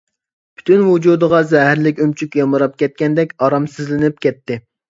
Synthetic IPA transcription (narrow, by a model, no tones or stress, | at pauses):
pʰy̥t̪ʰynwud͡ʒud̪əʁɑzɛɦɪɾlɪkʲømt͡ʃʰykʲjɑmɨɾɑp̚kʲɛt̪̚kʲɛnd̪ɛkʲɑɾɑmsɨzlɪnɪp̚kʲɛt̪ʰːɪ